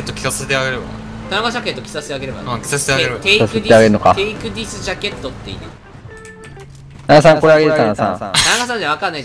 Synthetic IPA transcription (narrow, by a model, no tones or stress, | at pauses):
et̪ːokʲi̥sasaset̪eaɡe̞ɾeba̰ | t̪anaɡaɕ̬akẽ̞t̪ːokʲi̥sase̥t̪eaɡe̞ɾe̞ba̰ãkʲi̥sase̥t̪eaɡeɾɯt̪esased̪t̪eaɡe̞ɾɯoka̰eikɯ̟d̪ʲisɨd͡ʑake̞t̪ːot̪ːe̞ḭne | nanasãŋkoɾeaɡet̪anasã̰anaɡasãɲ̟d͡ʑaβakãnːai